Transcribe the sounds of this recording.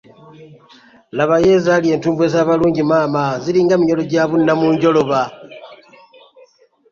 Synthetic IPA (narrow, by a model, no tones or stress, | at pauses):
laβaje̞zalie̞ːntuːmbuwe̞zaβaluːɲɟimaːmaziliːŋɡamiɲolo̞ɟaβunːamuːɲɟo̞lo̞βa